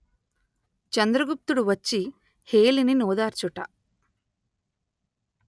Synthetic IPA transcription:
t͡ʃɐnd̪ɾɐɡup̚t̪uɽuʋɐt͡ʃːi | heːlininoːd̪aːɾt͡ʃuʈɐ

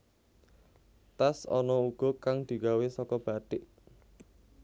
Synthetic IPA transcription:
t̪asɔ̰nɔuɡ̥ɔ̤kaŋd̪̥i̤ɡawesɔkɔb̥a̤ɖ̥ɪʔ

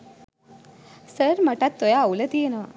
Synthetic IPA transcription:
səɾmaʈat̪ːojaulət̪ieno

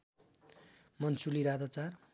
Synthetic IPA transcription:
mʌnsuliɾad̪at͡sar

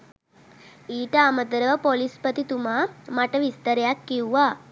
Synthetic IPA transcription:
iʈaməd̪əɾəʋɐpolispət̪it̪umamaʈəʋist̪əɾjakːiwʋa

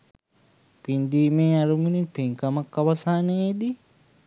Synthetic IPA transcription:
pind̪iːmeːaɾumuninpeŋkamakːaʋasaːneed̪i

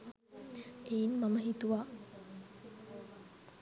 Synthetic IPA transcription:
einmaməɦit̪uʋaː

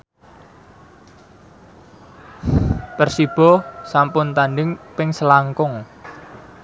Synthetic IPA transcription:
pərsib̥ɔ̤sampʊnt̪anɖɪŋpɪŋsəlaŋkʊŋ

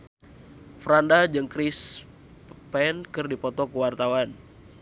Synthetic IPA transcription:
fɾandad͡ʒɨŋkɾɪs | pɛnkɨrdipɔt̪ɔkəwart̪awan

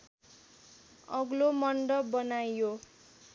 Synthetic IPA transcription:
ʌɡlomʌɳɖʌbʌnajo

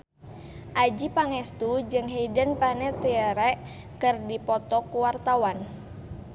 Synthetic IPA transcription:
ʔad͡ʒipaŋɛst̪ud͡ʒɨŋɦeidənpanɛt̪iəɾɛʔ | kɨrdipɔt̪ɔkuwart̪awan

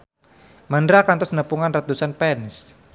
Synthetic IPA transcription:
mandɾakant̪ɔsnəpuŋanrat̪usanpɛns

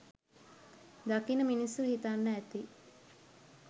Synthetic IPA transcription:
d̪akinəminisuhit̪anːəæt̪i

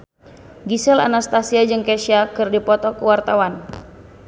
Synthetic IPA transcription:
ɡisɛla̰nast̪asiad͡ʒɨŋkɛʃiakɨrdipɔt̪ɔkuwart̪awan

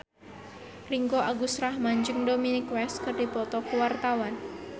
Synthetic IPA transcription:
riŋkoaɡusɾahmaɲd͡ʒəŋdominikwɛst̪kərd̥i̤pɔt̪ɔkuwart̪awan

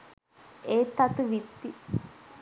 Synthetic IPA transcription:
eːt̪ːɐt̪uʋit̪ːi

